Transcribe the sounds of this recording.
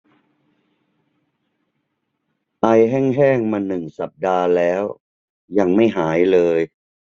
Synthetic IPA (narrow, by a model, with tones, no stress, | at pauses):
ʔa˧jɦɛː˥˩ŋɦɛː˥˩ŋma˧nːɯ˨˩ŋsa˨˩p̚daː˧lɛː˦˥w | ja˧ŋma˥˩jɦaː˩˦jlɤː˧j